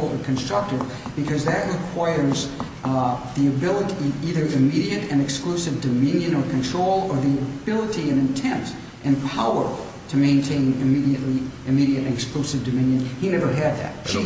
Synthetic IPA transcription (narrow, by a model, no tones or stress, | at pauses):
l̩ˠə̰̃nkʰɨ̃nstɹ̥ʌk̚tɨv | b̥ɨkʰʌzðɨʔ̚ɹɨkʰw̥aɪə˞z | ðiɨbɪlˠəɾiiðə˞ʔɨmiɾiɨɾɨ̃nɨksklusɨvdɨmɪ̃njɨ̃nə˞kʰɨ̃ntʰɹ̥oʊlˠə˞ðiɨbɪlˠəɾiɨ̃nɨ̃ntʰɛ̃mt | ʔɨ̃npʰaʊə˞ | ɾʰɨmẽɪ̃ntʰẽɪ̃nɨmiɾiɨʔliʔɨmiɾiɨɾɨ̃nɨksklusɨvdɨmɪ̃njɨ̃ninɛvə˞ɨd̪̚ðɨ̰t̚ʃi